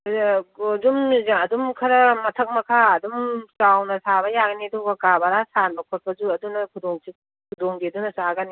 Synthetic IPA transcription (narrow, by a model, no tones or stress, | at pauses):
zumɐdumkʰɐɾɐmɐtʰɐk̚mɐkʰaɐd̪umsawnɐsaβɐjaɡɐnedɔɡɐkabaɾasanbɐkʰɔɾpʰɐzuɐdunɐkʰudɔŋsi | kʰudɔŋɡedunɐsaɡɐni